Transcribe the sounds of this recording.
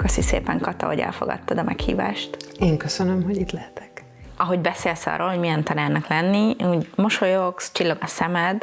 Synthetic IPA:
kɒsisḛːpɛŋkɒt̪ɒ̰ɦoɟɛ̰lfo̞̰ɡɒ̰t̪ːɒd̪ɒmɛkhḭːva̰ːʃt̪eːŋkøsønømɦoɟit̪lɛhɛt̪ʰɛ̥k | ɒɦo̞ɟbɛseːlsɒ̰ːrːoːlho̞mijɛnt̪ɒnaːrnɒklɛnːiuːɟmo̞ʃojokst͡ʃilːɒɡɒsɛmɛd̪

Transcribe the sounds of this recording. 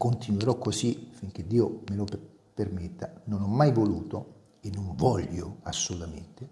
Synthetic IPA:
kont̪inweɾɔkːosifiŋk̟ed̪ːiːomelo | permet̪ːanonɔmːajvoluːt̪o | enːoɱvɔʎːoasːolut̪amḛnt̪e

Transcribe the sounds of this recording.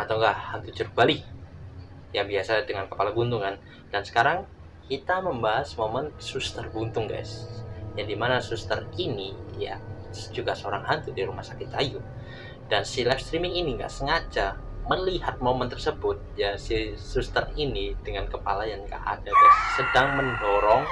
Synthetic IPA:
at̪awŋɡahant̪ut͡ʃurkuali | jaŋbiasadəŋankəpalaɡunt̪ʊŋkan | dansə̥kaɾaŋ | kit̪aməmbaɦasmomənsust̪ərɡunt̪ʊŋɡa̰jsjaŋdimanasust̪ərinija̰ | sd͡ʒuɡasəoɾaŋɦant̪udiɾumahsakɪt̪̚t͡ʃajʊ | d̥ansilɛfst̪ɾimɪŋiniŋɡa̰ʔsəŋat͡ʃa | məlihat̪̚momənt̪ərsəbʊt̪̚jasisust̪ərinid̥əŋankəpalajaŋka̰ʔa̰daɡajsːədaŋməndoɾɔŋ

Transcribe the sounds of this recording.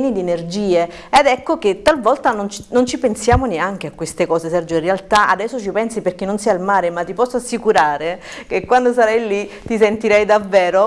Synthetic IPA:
nid̪ienerd͡ʒiːe | ed̪ɛkːok̟et̪ːalvɔlt̪anont͡ʃnont͡ʃipensjaːmoneaŋk̟eakːwest̪ekɔːsesɛrd͡ʒoinrealt̪aʔa̰d̪ɛsːot͡ʃipɛnsiperk̟enːonsialmaːɾemat̪ːipɔsːoasːikuɾaːɾe | kekwand̪osaɾajlit̪ːis̬ent̪iɾɛjd̪avːɛːɾo

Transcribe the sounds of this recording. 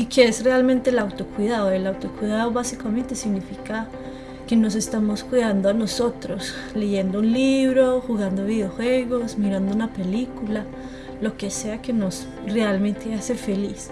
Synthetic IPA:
ikeesrealmẽ̞nt̪e̞lawt̪o̞kwiðaðoelawt̪o̞kwiðaðoβasikamẽ̞nt̪esiɡnifika | ke̞no̞s̬e̞st̪amo̞skwiðand̪oanoso̞t̪ɾo̞s | le̞ʝe̞nd̪ounliβɾo̞xuɣand̪oβiðjeoxwe̞ɣo̞smiɾand̪ounape̞likula | lo̞ke̞se̞ake̞no̞s | re̞almẽ̞nt̪e̞ase̞fe̞lis

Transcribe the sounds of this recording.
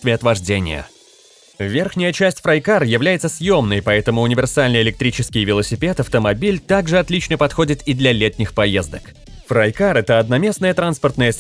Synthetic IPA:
t̪vʲɪɐt̪vɐʐdʲenʲɪ̰jə̰ | vʲe̞rxnʲɪjət͡ɕæsʲtʲfɾɐjkarjɪvlʲæjɪt̪səsʲjo̞mnəjpɐɛt̪əmʊʊnʲɪvʲɪrsalʲnəjɪlʲɪk̚t̪ɾʲit͡ɕɪskʲɪjvʲɪlˠəsʲɪpʲe̞t̪ɐft̪əmɐbʲilʲt̪aɡʐɨɐt̪lʲit͡ɕnəpɐt̪xo̞dʲɪt̪ɪd̪lʲɐlʲet̪ʲnʲɪxpɐjezd̪ək | fɾɐjkaɾɛt̪əɐd̪nɐmʲe̞snəjət̪ɾanspərt̪nəjəs

